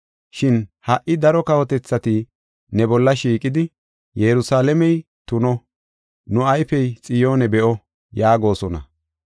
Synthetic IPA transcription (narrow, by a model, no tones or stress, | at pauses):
ʃɪnhɐʔɪd̪ɐɾɔkɐwɔt̪ɛt͡sːɐt̪ɪ | nɛbɔlːɐʃiːkʼɪd̪ɪ | jɛɾʊsaːlɛmɛj | t̪ʊnɔ | nʊɐjfɛjt͡sʼɪjo̞ːnɛbɛʔɔ | jaːɡo̞ːsɔnɐ̰